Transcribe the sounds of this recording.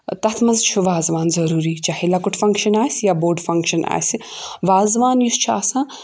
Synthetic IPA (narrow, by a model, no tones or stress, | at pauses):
t̪ɐt̪ʰmɐnzt͡ʃʰuʋaːzʋaːnzɐɾuːɾiːt͡ʃaːhilakuʈʰfɐ̃ŋkʃɐnaːsʲjaːboːɾɖfɐŋkʃɐna̰ːsi | ʋaːzʋaːnjust͡ʃʰa̰ːsãː